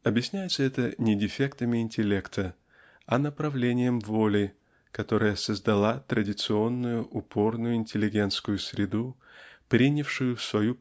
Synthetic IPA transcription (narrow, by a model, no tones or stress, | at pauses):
ɐbjɪsʲnʲæjɪt̪səɛt̪ənʲɪdʲɪfʲekt̪əmʲɪɪnʲtʲɪlʲe̞kt̪ʰə | ɐnəpɾɐvlʲenʲɪjəmvo̞lʲɪ | kɐt̪o̞ɾəjəsəzd̪ɐlˠat̪ɾədʲɪt̪sɨo̞nːʊjʊʔʊpʰo̞rnʊjʊɪnʲtʲɪlʲɪɡʲe̞nt̪skʊjʊsʲɾʲɪd̪u | pɾʲinʲɪfʂʊjʊfsvɐju